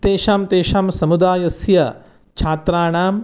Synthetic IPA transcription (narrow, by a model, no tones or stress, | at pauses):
t̪eːʃaːmt̪eːʃaːmsɐmud̪aːjɐsjɐ | t͡ʃʰaːt̪ɾaːɳaːm